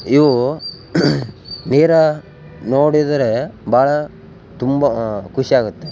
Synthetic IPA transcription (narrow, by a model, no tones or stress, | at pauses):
iʋu | niːɾɐ | noːɽid̪ɐɾebʱaːɭɐ | t̪umbɐkʰuʃiaːɡut̪ːe